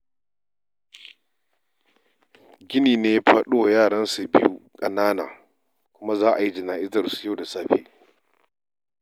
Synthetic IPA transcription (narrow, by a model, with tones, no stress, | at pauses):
ɡʲɪ˦niː˨neː˦ɸʰɐ˨ɗoː˦jaː˦˨ɽɐ˦nsu˨bɪ˦jṵ˦kʼɐ̰˨naː˦na̰˨ | kʷʊ˦ma˦zaː˦ʔa˨ji˦d͡ʒɪ˨naː˨ʔɪ˦zɐ˨rsu̥˨ja˦˨da˨saː˦ɸḛː˦